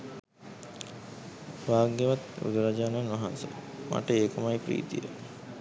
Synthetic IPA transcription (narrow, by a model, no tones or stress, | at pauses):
ʋaːɡeʋat̪ɾṵd̪uɾad͡ʒaːnanʋaɦansə̰ma̰ʈəeːkəmajpɾḭːt̪ijə̰